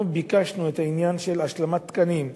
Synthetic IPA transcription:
bikaʃnuet̪ainjanʃelaʃlamat̪ːkanim

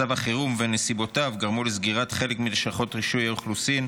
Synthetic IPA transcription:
avaχiʁumvenesibo̞tavɡaʁmulezɡiʁatχe̞lekmileʃaχo̞tʁiʃujaoχlusin

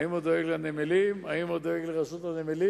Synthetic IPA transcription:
imod̪oeɡlanemelimaimod̪oeɡleʁasot̪hanemeli

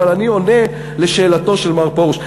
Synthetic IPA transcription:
alanio̞ne | le̞ʃe̞ːlato̞ʃelmaʁpous

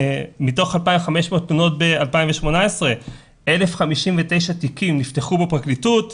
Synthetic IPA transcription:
mito̞χalpaimχameʃmo̞ːtmuno̞t̚bealpaimveʃmo̞naesʁe̞ | ele̞fχamiʃimvete̞jʃatikimnifteχubepʁaklitut

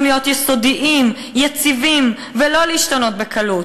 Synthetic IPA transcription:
nijo̞t̪jɛso̞diʔim | jat͡sivim | velo̞liiʃtano̞t̪̚bekʰɐlu

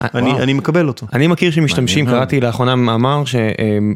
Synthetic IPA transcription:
aanianimekabelot̪ʰoanimakiʁʃ̬emiʃtamʃimkaʁatileaːχo̞namaːmaʁʃeem

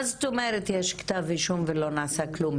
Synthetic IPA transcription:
zt̪omɛɾet̪jɛʃkt̪aviʃumvelonaːsaklum

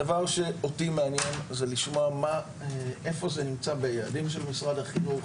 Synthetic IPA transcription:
davaʁʃe̞o̞timeanjenzeliʃmoama | eʔe̞fo̞zenimt͡sabe̞jaadimʃ̬e̞lmisʁadhaχinuχ

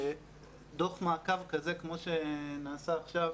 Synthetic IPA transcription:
d̪oχmaːkavkazekmo̞ʃe̞naːsaːχʃav

